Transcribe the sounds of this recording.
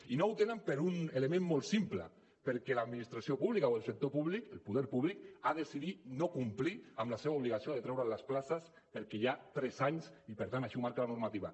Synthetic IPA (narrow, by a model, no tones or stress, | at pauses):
inowt̪enəmpeɾunelemẽmːolˠt̪simplə̰ | peɾkɛlaðminist̪ɾasiopuβlikaoelˠsek̚t̪opuβlikəlpuðɛɾpuβlikaðesiðit̪nokumpliamlaseβauβliɣ̞asioðet̪ɾɛwɾalasplasas | pəɾkɛʒat̪ɾɛzaɲsipəɾt̪anaʃimaɾkalanuɾmat̪iβa